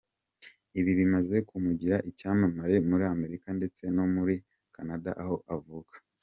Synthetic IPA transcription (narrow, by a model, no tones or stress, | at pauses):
iβiβimaze̞kumuɟiɾaʔicaːmamaɾe̞muɾiame̞ɾikande̞t͡se̞no̞muɾi | kʰanada̰ʔaho̞ʔavukḁ